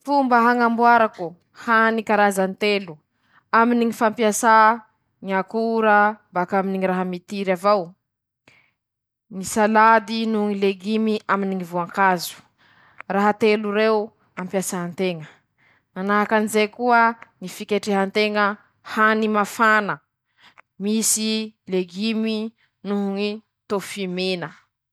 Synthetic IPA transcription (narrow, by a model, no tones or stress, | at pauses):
fumbəɦaŋambuaɾaku | hanikaɾazant̪elu | aminiŋifampiasa | ŋiakuɾəbakaminiŋiɾaɦəmit̪iɾavaw | ŋisalad̪inuŋileɡimiʔaminiŋivuaŋkazu̥ | raɦət̪eluɾew | ampjasaɦant̪eŋə | nanaɦakanizekuəŋifikeʈ͡ʂeɦant̪eŋə | hanimafanə | misileɡimi | nuɦuŋi | t̪ofimenə